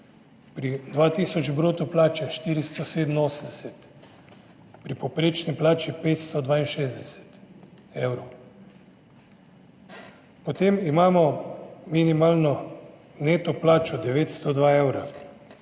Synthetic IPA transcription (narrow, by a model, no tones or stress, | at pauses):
pɾid̪ʋaːt̪iːsɔd͡ʒbɾoːt̪ɔplaːt͡ʃɛʃt̪iːɾist̪ɔseːd̪ən̩oːsənd̪ɛsɛt̪ | pɾipɔpɾeːt͡ʃniplaːt͡ʃipeːt̪st̪ɔd̪ʋaːinʃeːzd̪ɛsɛ̥t̪ | eːwɾo | pɔt̪emimaːmɔminimaːlnɔ | neːt̪ɔplaːt͡ʃɔd̪ɛʋeːt̪st̪ɔd̪ʋaːewɾa